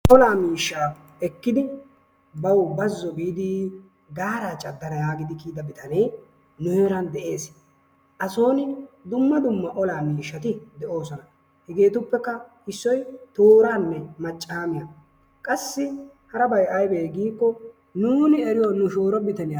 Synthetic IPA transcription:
ʔɔlaːmiːʃːaː | ɛkːɪd̪ɪ | bɐwbɐzːɔbiːd̪ɪ | ɡaːɾaːt͡ʃʼɐd̪ːɐnɐjaːɡɪd̪ɪkiːd̪ɐbɪt̪ɐnej | nʊheːɾɐnd̪ɛʔe̞ːs | ʔɐso̞ːnɪd̪ʊmːɐd̪ʊmːɐʔɔlaːmiːʃːɐt̪ɪd̪ɛʔo̞ːsɔnɐ | hɛɡe̞ːt̪ʊpːɛkːɐ | ɪsːɔjt̪o̞ːɾaːnːɛmɐt͡ʃʼːaːmɪja | kʼɐsːɪ | hɐɾɐbɐjʔɐjbeːɡiːkːɔ | nuːnɪɛɾɪjɔnʊʃoːɾɔbɪt̪ɐnɪja

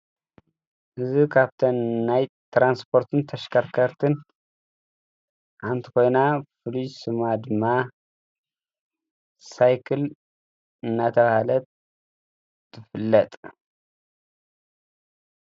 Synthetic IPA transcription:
ʔɨzikʰaβt̪ʰɐnːaj | t̪ʰɾanspʰo̞ɾt̪ʰɨnt̪ʰɐʃkʰaɾkʰɐɾt̪ʰɨn | ʕant̪ʰi̥ko̞jnafɨlujsɨmad̪ɨmːa | sajkʰɨl | ɨnːat̪ʰɐβahalɐt̪ | ɨfɨlːɐt̪ʼ

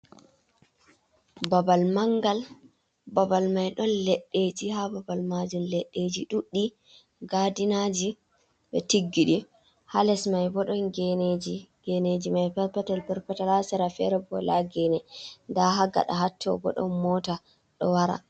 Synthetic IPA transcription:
babalmaŋɡal | babalmajɗɔnlɛɗːed͡ʒihababalmad͡ʒumlɛɗːed͡ʒiɗuɗːi | ɡadinad͡ʒi | ɓɛtiɡːiɗi | halɛsmajbɔɗɔnɡɛned͡ʒiɡ̥ened͡ʒimajpɛpɛtɛlpɛɾpɛtɛlasɛɾafɛ̰ɾɛbɔ̰laɡɛnɛndaɦaɡa̰ɗa̰ɦatʰːɔ̰bɔ̰ɗɔ̰nmɔta | ɗɔ̰waɾa̰

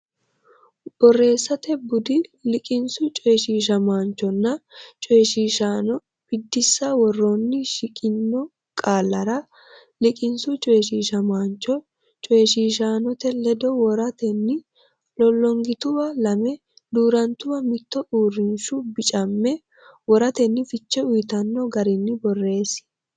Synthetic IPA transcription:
b̥ɔrːe̞ːsːɐt̪ɛbʊd̪ɪlɪkʼɪnsʊt͡ʃʼɔjʃiːʃɐmaːnt͡ʃːɔnːɐt͡ʃʼɔjʃiːʃaːnɔ | b̥ɪd̪ːɪsːawɔrːoːnːɪʃɪkʼɪnːɔ | kʼaːlːɐɾɐ | lɪkʼɪnsʊt͡ʃʼɔjʃiːʃɐmaːnt͡ʃːɔ | t͡ʃʼɔjʃiːʃaːnɔt̪ɛlɛd̪ɔwɔɾɐt̪ɛnːɪ | lɔlːɔŋɡɪt̪ʊwɐlɐmɛ | d̪uːɾɐnt̪ʊwɐmɪt̪ːɔʔuːrːɪnʃʊbɪt͡ʃʼɐmːɛ | wɔɾɐt̪ɛnːɪfɪt͡ʃːɛʊjt̪ɐnːɔɡɐɾɪnːɪbɔrːe̞ːs

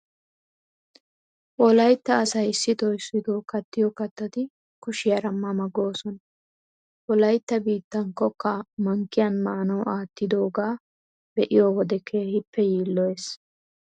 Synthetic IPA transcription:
ʔɔlɐjt̪ːɐːsɐjɪsːɪt̪ɔɪsːɪt̪oːkɐt̪ːɪjɔkɐt̪ːɐt̪ɪ | kʊʃɪjɐɾɐmːɐmɐɡo̞ːsɔnɐ | ʔɔlɐjt̪ːɐbiːt̪ːɐŋkɔkːɐmɐŋkːɪjɐnmɐʔːnɐwʔaːt̪ːɪd̪oːɡaː | bɛʔɪjoːwɔd̪ɛkʰeːhɪpːɛjiːlːɔjes

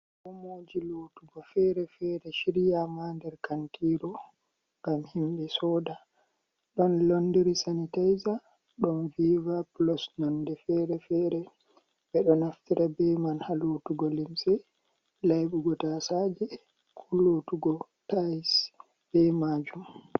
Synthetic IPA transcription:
kɔmoːd͡ʒilotuɡɔfɛɾɛfɛɾɛʃiɾijamandɛɾkantiːɾɔ | ŋɡamhimɓɛsɔːda | ɗɔnlondiɾisanitajza | ɗɔnvivaplɔsnɔndɛfɛɾɛfɛɾɛ | bɛɗɔnaftiɾʔabɛmanhalotuɡɔlimsɛ | lajɓuɡɔtasad͡ʒɛ | kʰulotuɡɔtas | b̥ɛmad͡ʒum

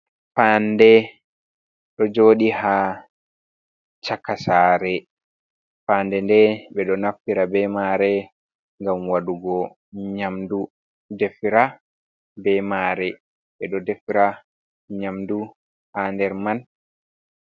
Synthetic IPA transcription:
fandɛ | ɗɔd͡ʒoːɗiha | t͡ʃakːasaːɾɛ | faːndɛndɛɓɛɗɔnafiɾabɛmaːɾɛ | ŋɡamwaɗuɡɔ | ɲamdu | dɛfiɾa | bɛmaːɾɛ | ɓɛɗɔdɛfiɾa | ɲamdu | handɛɾman

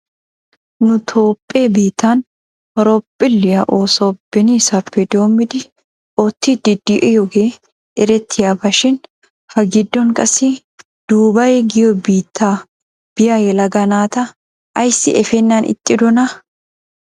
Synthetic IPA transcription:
nʊt̪ʰo̞ːpʼːeːbiːt̪ːaːn | ɔɾɔpʼːɪlːɪjɐʔoːsoːb̥ːɛniːsɐpːɛd̪o̞ːmːɪd̪ɪ | oːt̪ːiːd̪ɪd̪ːɪʔɛjɔɡe | ʔɛɾɛt̪ʰːɪjɐbɐʃɪn | fɐɡɪd̪ːɔŋkʼɐsi | d̪̥uːbɐjeɡɪjɔbiːt̪ʰːaː | b̥ɪjaːjɛlɐɡɐnaːt̪ɐ | ʔɐjsːɪ̰ʔɛfɛnːaːnʔɪ̰t̪ʼːɪd̪ɔnɐ

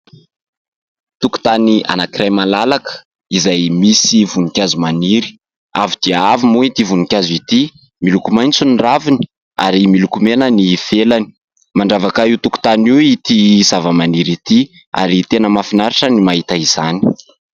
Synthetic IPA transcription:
t̪uku̥t̪ania̰nakiɾajmalalakə̥ | izajmisivunikʲazumaniɾi̥ | avid̪̥iaavimuit̪ivunikʲazit̪i | milukumajnt͡suniravini̥ | a̰ɾimilukumenənifelani̥ | maɳɖ͡ʐavakaiwt̪uku̥t̪aniit̪izavəmaniɾit̪i | a̰ɾit̪enəmafinaɾiʈ͡ʂənimaɦit̪aiz̥ani̥

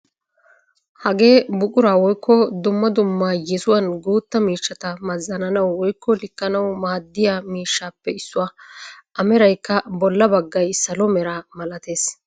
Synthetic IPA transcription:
hɐɡe̞ːbʊkʼʊɾaːwɔjkːɔd̪ʊmːɐd̪ʊmːajɛsʊwɐnɡuːt̪ːɐmiːʃːɐt̪ɐmɐzːɐnɐnɐwːɔjkʰːɔlɪkːɐnɐwmaːd̪ːɪjaːmiːʃːaːpːɛɪsːʊwaːʔɐmɛɾɐjkːɐbɔlːɐbɐɡːɐjsɐlɔmɛɾamɐlɐt̪e̞ːs

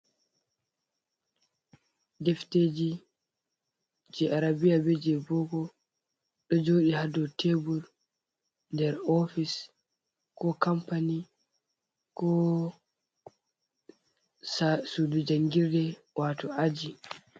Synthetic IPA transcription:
dɛfteːd͡ʒi | d͡ʒɛʔaɾabijabed͡ʒɛbɔɡɔ | ɗɔd͡ʒoːɗihadɔtʰebuɾ | ndɛɾɔfis | kɔkampani | kɔ | sudud͡ʒaŋɡiɾdɛ | wʔatɔʔad͡ʒi

